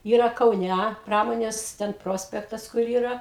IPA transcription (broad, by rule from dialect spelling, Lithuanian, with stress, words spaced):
ˈiːrɐ kɐʊˈnʲæ ˈprɑːmoːnʲeːs tʲɛn ˈproːsʲpʲɛktɐs kʊr ˈiːrɐ